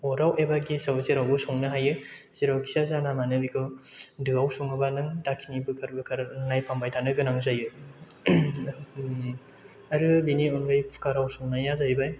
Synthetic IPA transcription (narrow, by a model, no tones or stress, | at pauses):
ɔɾawebaɡisawsiɾawbɯsɔŋnɯɦajɯsiɾawkʰi̥sazanamanɯbikʰɯwdɯawsɔŋɯbanɯŋdakʰinibɯkʰaɾbɯkʰaɾnajpʰambajtʰanɯɡɯnaŋzajɯ | aɾɯbiniɔnɡɯjpʰu̥kaɾawsoŋnajazajbaj